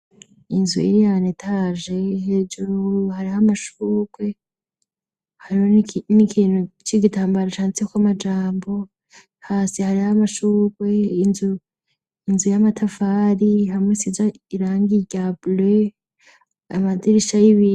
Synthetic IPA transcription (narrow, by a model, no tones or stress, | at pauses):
inzṵḭɾijanetʰaʒe̞hed͡ʒuɾuuhaɾihamaʃuːkwe̞ | haɾihonikʰiːnhut͡ʃiɡitaːmbaɾat͡ʃaːnt͡sekwamad͡ʒaːmbo̞ | haːsihaɾihamaʃuːkwe̞inzu | inzujamatʰafaːɾihamwesiza | iɾaːŋɡiɟable | amadiɾiʃajiβi